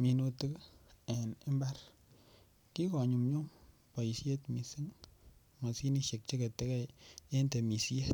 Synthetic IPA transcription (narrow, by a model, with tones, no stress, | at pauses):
mi˨no˧tɨ˦kɛ˨nɪ˦mba˦ɾ | ki˦kɔ˨ɲu˨mɲu˦ŋ | pɔ˨i˨sje˦tmi˨si˦ŋ | ŋa˨si˦ni˦ʃe˨k̚t͡ʃe˦ke˨te˦kɛ˦e˦nte˨mi˨sje˦t̚